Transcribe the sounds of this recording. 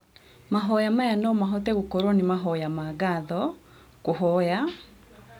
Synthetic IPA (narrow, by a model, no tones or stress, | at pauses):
maɦɔjamajanɔmaɦɔtɛɣokɔɾɔnemaɦɔjamaɡaðɔ | koɦɔja